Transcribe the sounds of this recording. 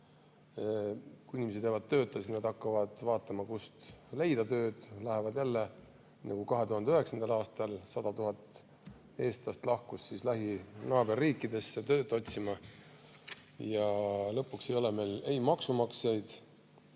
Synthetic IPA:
kuinimes̬d̪eːvɑd̪̚t̪ø̞ːt̪ːˑesisnɑd̪̥ɑkːɑvɑd̪̥vɑːt̪ːˑɑmɑkust̪le̞jd̪̥ɑt̪ø̞ːd̪̥lɑɦe̞vɑd̪jælːe̞ | nːɑkukɑɦe̞t̪uɦɑnd̪eøɦe̞ksɑnd̪ɑlɑːst̪ɑlsɑd̪̥ɑt̪uɦɑt̪ˑ | e̞ːst̪ɑst̪lɑhkusːislæɦinɑːb̥e̞rːiːkːˑid̪e̞sːet̪ø̞ːt̪ːˑo̞t̪ʲsimɑ | jɑlɤ̞pːˑuksejo̞leme̞ːlejmɑksumɑksejd̪̥

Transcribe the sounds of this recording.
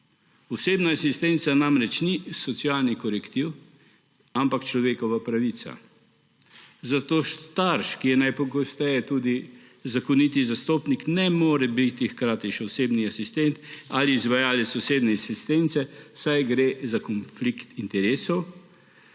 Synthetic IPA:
ɔseːbnaːsist̪ent̪sanamɾɛt͡ʃnisɔt̪sialnikɔɾɛkt̪iw | ampakt͡ʃlɔʋeːkɔʋapɾaʋit̪sa̰ | zat̪oːʃt̪aɾʃkijɛnajpɔɡɔst̪ɛjɛt̪uːd̪i | zakɔnit̪izast̪oːpniknɛmoːɾɛbit̪ixkɾaːt̪iʃɛɔseːbniasist̪ɛnt̪aliːzʋajaːlɛsɔseːbnɛasist̪ent̪sɛsajɡɾezakɔnflikt̪int̪ɛɾeːsɔw

